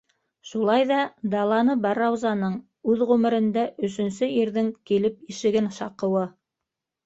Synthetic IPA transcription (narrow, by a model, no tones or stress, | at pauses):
ʃulˠɑjðɑd̪ɑlˠɑnɤbɑɾɑwzɑnɤɴ | ʉðʁʉmɘ̆ɾɘ̆nd̪æʔɵ̆sɵ̆nsɵjiɾðɘŋkilɘp̚iʃɘ̆ɡɘnʃɑqɤ̆wɤ